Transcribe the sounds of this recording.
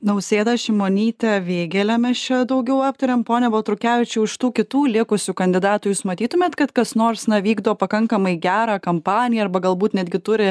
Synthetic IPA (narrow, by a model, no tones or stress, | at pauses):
nɐʊsʲeːd̪ɐʃʲɪmoːnʲiːt̪ʲɛʋʲeːɡʲɛlʲɛmʲɛst͡ʃʲɛd̪ɐʊɡʲɛʊɑːp̚t̪ɐɾʲeːmpoːnʲɛbɐlˠt̪ɾʊkʲæːʋʲɪt͡ʃʲʊɪʃt̪uːkʲɪt̪uːlʲɪkʊsʲuːkɐnʲd̪ʲɪd̪ɑːt̪ʊːjuːsmɐt̪ʲiːt̪ʊmʲeːt̪kɐt̪kɐsnoːɾsnɐʋʲiːɡd̪oːpɐkɐŋkɐmɐɪɡʲæːɾɑːkɐmpɑːnʲɪjɛɐɾbɐɡɐlˠbuːt̪nʲæd̪ʲɡʲɪt̪ʊɾʲɪ